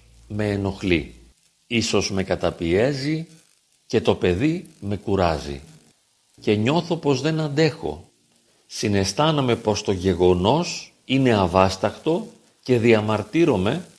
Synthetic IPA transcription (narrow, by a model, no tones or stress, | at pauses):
me̞ːno̞xli | iso̞zme̞kɐt̪ɐpie̞zi | ce̞t̪o̞pe̞ðime̞kuɾɐzḭ | ce̞ɲo̞θo̞po̞zðe̞nɐnd̪e̞xo̞̰ | sine̞st̪ɐnɐme̞po̞st̪o̞ʝe̞ɣo̞no̞s | ine̞ɐvɐst̪ɐkt̪o̞ | ce̞ðiɐmɐɾt̪iɾo̞me̞